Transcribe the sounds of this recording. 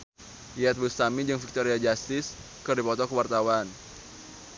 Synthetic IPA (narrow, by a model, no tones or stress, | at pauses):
iat̪̚bust̪amid͡ʒɨŋfik̚t̪ɔɾiad͡ʒast̪ɪs | kɨrdipɔt̪ɔkəwart̪awan